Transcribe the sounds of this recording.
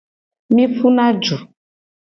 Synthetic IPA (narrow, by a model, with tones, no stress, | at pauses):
mĩ˦fu˦nã˦d͡ʒu˨